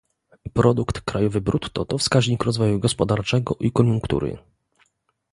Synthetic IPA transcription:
pɾʔɔd̪ukt̪kɾajɔvɘbɾut̪ːɔt̪ɔfskaʑɲikɾɔzvɔjuɡɔspɔd̪aɾt͡ʂɛɡɔʔikɔnjuŋkt̪ṵɾɘ̰

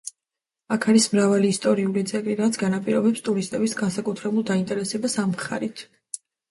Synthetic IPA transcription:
akʰaɾismɾavaliːst̪ʼɔɾiulit̪sʼɛkʼɾiɾat̪sʰɡanapʼiɾɔbɛpst̪ʼuɾist̪ʼɛbisɡansakʼut̪ʰɾɛbulˠd̪aint̪ʼɛɾɛsɛbasamχa̰ɾit̪ʰ

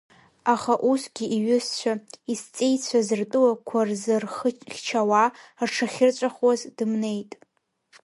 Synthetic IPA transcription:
aχaʔusɡʲiʔiɥʊst͡ɕʷʰaist͡sʼejt͡ɕʷʰazɨrtʼɨwakʷʰarzɨrχχʲt͡ʃʰawarʈ͡ʂʰaχʲɪrt͡ɕʷʼaχwazdɨmne̞jtʼ

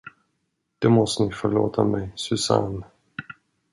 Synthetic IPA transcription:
d̪̥ɛmɔst̪ənɪfœɭo̰ːt̪ʰamɛjsɵsa̰n

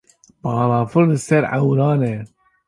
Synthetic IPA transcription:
bɑːlɑːfɨɾlɨsɛɾʕa̰wɾɑːnɛ

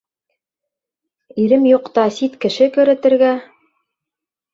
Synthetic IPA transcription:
iɾɘmjuqt̪ɑsit̪kɘ̆ʃɘkɵ̆ɾɘ̆t̪ɘ̆ɾɡæ

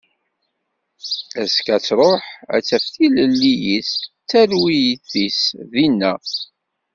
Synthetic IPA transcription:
æskæt͡sːɾˤoħæ̰t͡sːæfθiləlːijist͡sːæɾwijθisðinːæ

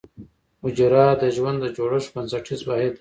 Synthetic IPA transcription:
ʊd͡ʒɾɑːd̪əʒwɐnd̪ːəd͡ʒoːɽəʂbɐnsɐʈʰizbaːɦed̪

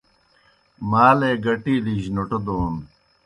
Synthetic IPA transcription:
maːleːɡɐʈiːliʑnoʈod̪oːn

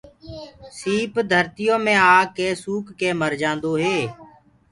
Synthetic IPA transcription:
siːpd̪ʱəɾt̪ɪjõːmẽːaːkeːsuːkːeːməɾd͡ʒãːnd̪oːɦeː

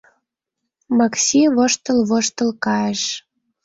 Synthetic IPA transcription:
mɑksʲiβoʃt̪ə̆lβoʃt̪ə̆lkɑjəʃ

